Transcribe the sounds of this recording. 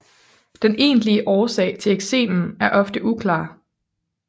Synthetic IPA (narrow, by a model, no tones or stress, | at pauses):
d̥enʔe̝̰ːnliəʔɒːsɛ̰ːɪt͡sʰe̝leɡ̥se̝̰ːmn̩æɐʔɒ̽fd̥əʔukʰlɑ̰̈ː